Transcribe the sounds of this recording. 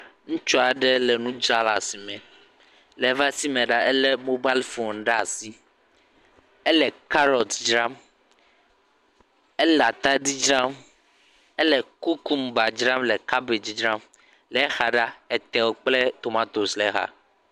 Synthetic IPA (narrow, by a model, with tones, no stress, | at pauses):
ŋũ˦t͡ʃɔ˦a˨ɖe˦lɛ˨nũ˦d͡ʒa˦la̰˨si˨mɛ˨ | lɛ˨˦va˦si˦mẽ˨ɖa˦ɛ˦lɛ˦mo˦ba˦lfo˨nɖa˦˨si˦ | e˦lɛ˨ka˦ɾɔ˨t̪d͡ʒɾa˦m | ɛ˦la˨t̪a˦di˦d͡ʒɾa˦m | ɛ˦lɛ˨ku˦ku˦mba˨d͡ʒɾa˦mlɛ˨ka˦be˨d͡ʒd͡ʒɾã˦m | lɛ˨˦xa˨ɖa˦e˨t̪ɛ˨wo˦k͡ple˦t̪o˨mã˦t̪o˨slɛ˦ɦa̰˦